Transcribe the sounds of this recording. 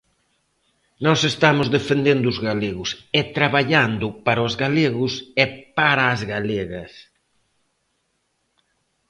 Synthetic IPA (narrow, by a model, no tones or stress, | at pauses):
nɔsest̪amʊzðefend̪end̪ʊzɣaleɣʊsɛt̪ɾaβaʎand̪ʊpaɾozɣaleɣʊsɛpaɾaːzɣaleɣɐs